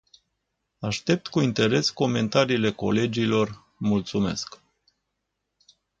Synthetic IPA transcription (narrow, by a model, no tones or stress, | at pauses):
aʃt̪e̞p̚t̪kuint̪e̞ɾe̞sko̞me̞nt̪aɾiːle̞ko̞̰le̞d͡ʒilo̞r | mult̪sume̞̰sk